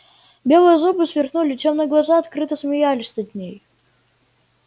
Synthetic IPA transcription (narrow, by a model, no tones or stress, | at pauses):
bʲe̞lˠɨjəzubɨsvʲɪrxnulʲɪt͡ɕʲomnɨjəɡlˠɐzaɐt̪kɾɨt̪əsmʲɪjalʲɪsʲnʲɐd̪ʲnʲej